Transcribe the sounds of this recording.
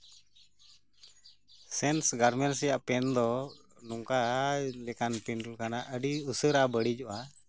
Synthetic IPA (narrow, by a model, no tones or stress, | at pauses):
sɛnsɡaɾmɛnsɛjaʔpɛnd̪ɔ | nɔŋkalɛkanpinɖulkanaʔəɖiusəɾabəɽid͡ʒɔʔa